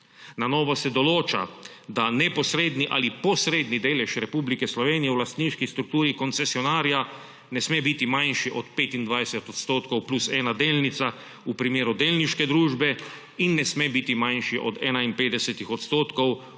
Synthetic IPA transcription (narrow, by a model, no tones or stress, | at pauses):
nanɔːʋɔsɛd̪ɔloːt͡ʃa̰ | d̪anɛpɔsɾeːd̪niʔa̰lipɔsɾeːd̪nid̪eːlɛʃɾɛpuːblikɛslɔʋeːnijɛwlast̪niːʃkist̪ɾuk̚t̪uːɾikɔnt̪sɛsiɔnaːɾija | nɛsmebit̪imanʃiʔɔt̪peːt̪ind̪ʋajsɛt̪ɔt̪st̪oːt̪kɔwplusɛːnad̪eːlnit̪sa | upɾimeːɾud̪eːlniʃkɛd̪ɾuːʒbɛ | inːɛsmebit̪imanʃiʔɔd̪ɛ̰ːnainpeːd̪ɛsɛt̪ixɔt̪st̪oːt̪kɔw